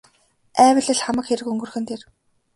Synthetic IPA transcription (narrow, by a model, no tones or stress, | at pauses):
æːwə̆ɮɘ̆ɮχamə̆kxeɾɘ̆kɵŋɡɵ̆rxɘ̆nt̪ʰer